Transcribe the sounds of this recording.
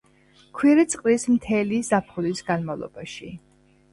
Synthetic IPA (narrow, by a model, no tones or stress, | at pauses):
kʰwiɾit̪sʼqʼlismt̪ʰɛlizapʰχulisɡanmavlˠɔ̰b̥aʃi